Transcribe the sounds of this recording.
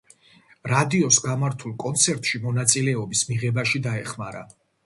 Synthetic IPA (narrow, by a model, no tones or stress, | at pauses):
ɾad̪iɔsɡamaɾt̪ʰulˠkʼɔnt̪sʰɛɾt̪ʼʃimɔnat̪sʼilɛɔbismiʁɛbaʃid̪aɛχmaɾa̰